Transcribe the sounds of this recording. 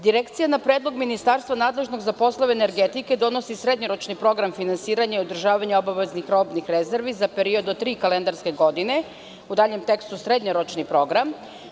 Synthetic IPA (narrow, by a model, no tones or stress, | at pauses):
d̪iɾekt̪sijanapɾeːd̪lˠo̞ɡminist̪aɾst̪ʋanaːd̪lˠe̞ʒno̞ɡzapo̞slˠoʋeːneɾɡet̪ike̞d̪o̞no̞sisɾed̪ɲoɾot͡ʃnipɾo̞ɡɾamfinansiːɾaɲaiod̪r̩ʒaːʋaɲeobaʋeznixɾo̞bnixɾeze̞ɾʋizapeɾio̞d̪ot̪ɾiːkalend̪aɾske̞ɡo̞d̪ine̞ | ud̪aːʎe̞mt̪e̞kst̪usɾed̪ɲoɾot͡ʃnipɾo̞ɡɾam